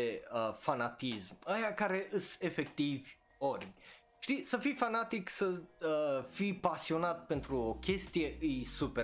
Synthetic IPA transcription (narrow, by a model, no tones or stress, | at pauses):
əfanat̪isməjakaɾe̞ʔɨse̞fe̞kt̪ivʲ | o̞rʲ | ʃt̪isəfifanat̪iksəəfipasio̞nat̪̚pe̞nt̪ɾuo̞kʲe̞st̪ije̞ʔɨjsupe